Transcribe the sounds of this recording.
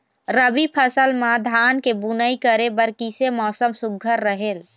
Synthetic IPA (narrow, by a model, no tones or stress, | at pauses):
ɾəbipʰəsəlmãd̪ʱankebunəikəɾebəɾkisemɔːsəmsuɡʱəɾːəɦel